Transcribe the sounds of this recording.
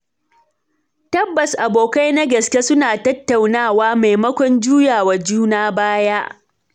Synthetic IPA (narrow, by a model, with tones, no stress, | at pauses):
tɐ˦bːɐ˨sʔa˨boː˨ka˦jna˦ɡɐ˨skʲe˦sʊ˦naː˨tɐ˦tːa˨wnaː˦˨waː˦ma˨jmɐ˦kʷɔ˦nd͡ʒuː˦jaː˨wa˨d͡ʒuː˦naː˦baː˦ja˦ʔ